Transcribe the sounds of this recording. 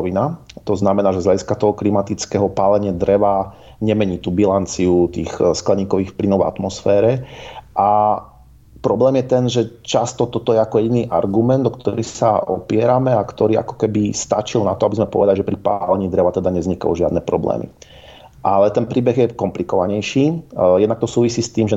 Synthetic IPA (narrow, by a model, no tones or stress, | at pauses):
ʋinat̪ɔznamɛnaːʒɛzʎaɟiskat̪ɔɦɔklimat̪it͡skɛɦɔpaːlɛɲɪad̪ɾɛʋa | ɲɛmɛɲiːt̪uːbilant͡siut̪iːxsklɛɲiːkɔʋiːxfplinɔʋɛ̰a̰t̪mɔsfɛːɾɛʔa | pɾɔblɛːmjɛt̪ɛnʒɛt͡ʃast̪ɔt̪ɔt̪ɔjɛakɔjɛɟiniːʔa̰ɾɡumɛnd̪ɔkt̪ɔɾɛsa̰ɔ̰pɪɛɾamɛakt̪ɔɾiːa̰kɔ̥kɛbist̪a̰t͡ʃilnat̪ɔabizmɛpɔ̰ʋɛd̪aliʒɛpɾipalɛɲiːd̪ɾɛʋat̪ɛd̪aɲɛzɲika̰uʒɪad̪nɛpɾɔ̰blɛ̰ːmḭ | ʔalɛt̪ɛnpɾiːbɛɣjɛkɔmplikɔʋaɲɛjʃiːjɛd̪nakt̪ɔsuːʋisiːst̪iːmʒɛ